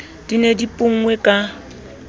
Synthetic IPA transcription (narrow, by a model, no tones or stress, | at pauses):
d̥inedipʼʊŋ̩ŋwɛkʼa